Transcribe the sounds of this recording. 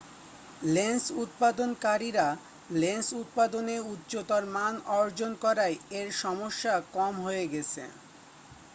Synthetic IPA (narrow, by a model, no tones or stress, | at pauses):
lensut̪̚pad̪onkaɾiɾa | lensut̪̚pad̪oneutːɕot̪ɔɾmanɔɾd͡ʑonkɔɾaeeɾʃɔmoʃːakɔmɦoeɡɛt͡ɕʰḛ